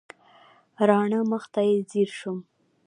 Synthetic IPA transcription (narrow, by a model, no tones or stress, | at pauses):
ɾɑɳəməxt̪ajeziɾʃum